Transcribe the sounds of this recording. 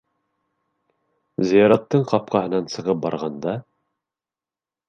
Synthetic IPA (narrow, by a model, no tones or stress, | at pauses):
zɤ̆jɑɾɑt̪ːɤɴqɑp̚qɑɦɤ̆nɑnsɤ̆ʁɤp̚bɑ̰ɾʁɑnd̪ɑ